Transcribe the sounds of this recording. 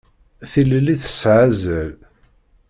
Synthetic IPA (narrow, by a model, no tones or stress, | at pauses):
θillːiθə̥sʕazəl